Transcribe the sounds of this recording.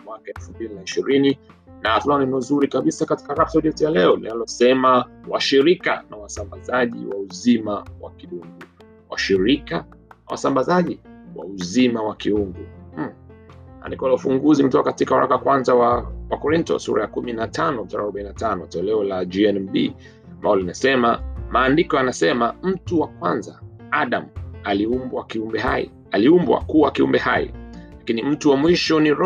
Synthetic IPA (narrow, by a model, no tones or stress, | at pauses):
mwakaɛlfumbilinaiʃiɾininaːθlaninɔzuɾikaɓisakati̥kaɾap̚tauliɔtɛjalɛɔlḭnalɔsɛmawa̰ʃiɾika̰nawasambazaʄḭwauzimawa̰kiuŋɡu | wa̰ʃiɾikanawa̰sambazaʄiwa̰uzimawakiuŋɡu | a̰ndikɔalaufuŋɡuzim̩tɔkakatikahwa̰ɾa̰kawakwanzawawakɔɾintɔ̰sṵɾa̰jakuminatanɔmtaɾaɾuɓainatanɔtɛɛlɛɔlad͡ʒiɛnbḭ | ambalɔlinasɛmamaːndikɔanasɛmam̩tuwakwanzaaɗam̩aliumbwakiumbɛɦaḭ | aliumbwa̰kuwakiṵmbɛhaḭlakinim̩tuwamwiʃɔniɾɔ